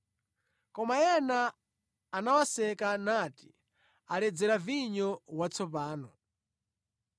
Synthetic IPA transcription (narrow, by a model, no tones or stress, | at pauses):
kɔmajɛnaː | nawasɛkanaːti | alɛd͡zɛɾaviɲɔwat͡sʰɔpaːnɔ